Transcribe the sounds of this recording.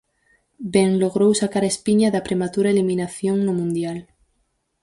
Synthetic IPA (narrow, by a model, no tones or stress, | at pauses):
beŋloɣɾowsakaɾespiɲaðapɾemat̪uɾaeliminaθjoŋnomũnd̪jal